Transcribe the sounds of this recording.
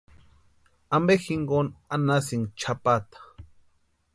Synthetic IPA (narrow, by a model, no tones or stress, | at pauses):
ambexiŋɡonanas̬iŋt͡ʃʰapat̪ḁ